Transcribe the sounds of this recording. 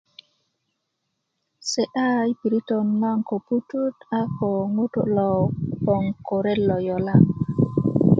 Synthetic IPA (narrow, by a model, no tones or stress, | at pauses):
sɛʔajpiɾitɔnmaŋkɔpututakɔŋutɔ̰lɔpɔŋkɔɾɛlːɔjɔla